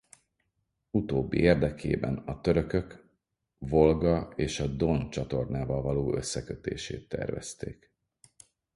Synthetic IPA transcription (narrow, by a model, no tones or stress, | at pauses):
ut̪oːbːḭeːrd̪ɛkʰeːbɛnɒt̪ø̞ɾø̞kø̞k | vo̞lɡɒeːʃɒd̪ont͡ʃɒt̪o̞rnaːvɒlvɒloːø̞sːɛkøt̪ḛːʃḛːt̪ːɛ̰rvɛ̰st̪eːk